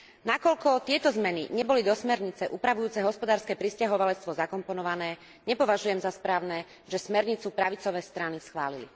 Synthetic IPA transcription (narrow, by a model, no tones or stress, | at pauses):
nakɔʎkɔt̪ɪɛt̪ɔzmɛnḭɲɛbɔlid̪ɔsmɛɾɲit͡sɛʔuːpɾaʋujuːt͡sɛɦɔspɔd̪aːɾskɛːpɾiscaɦɔʋalɛt͡st̪ʋɔzakɔmpɔnɔʋanɛː | ɲɛpɔʋaʒujɛmzaspɾaːʊnɛː | ʒɛsmɛɾɲit͡supɾaʋit͡sɔʋɛːst̪ɾanisxʋa̰ːlilḭ